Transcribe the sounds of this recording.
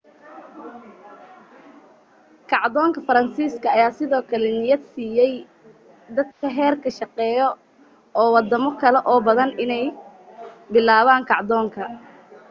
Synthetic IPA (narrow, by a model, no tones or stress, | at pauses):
kʰɑʕd̪ɔːŋkʰɐfɐɾɐnsiːskʰɐːjaːsɪðɔːkʰɐlɛnɪjɐd̪siːjɛj | d̪ɐd̪kʰɐɦɛːrkʰɐʃɑqɛːjɔ | ɔːwɑd̪ɐmɔkʰɐlɛʔɔːbɐðɐnɪnɛj | bɪlaːβaːŋkʰɑʕd̪ɔːŋkʰɐ